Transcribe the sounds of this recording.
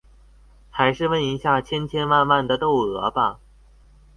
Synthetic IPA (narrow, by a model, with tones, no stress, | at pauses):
xa˧˥ɪʂɻ̩˥˧wə˥˩ni˧˥ɕja˥˩t͡ɕʰjɛ˥nt͡ɕʰjɛ˥nwa˥˧nwa˥˩nd̪ə˩t̪o˥˩ʊɤ˧˥bɐ˧˩